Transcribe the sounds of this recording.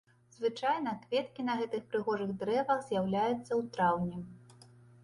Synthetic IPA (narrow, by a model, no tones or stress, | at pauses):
zvɨt͡ʂajnɐkvʲɛt̪kʲinɐɣɛt̪ɨxpɾɨɣɔʐɨɣd̪ɾɛvɐɣzʲjawlʲajut̪sːɐwt̪ɾawnʲɛ